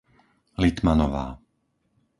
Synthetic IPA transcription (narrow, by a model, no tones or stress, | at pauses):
lit̪manɔʋa̰ː